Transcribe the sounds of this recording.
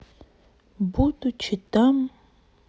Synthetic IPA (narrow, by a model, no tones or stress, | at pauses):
but̪ʼut͡ʃʰit̪am